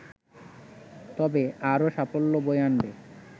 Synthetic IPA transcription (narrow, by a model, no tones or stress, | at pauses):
t̪ɔbeaɾoʃapolːobojanbe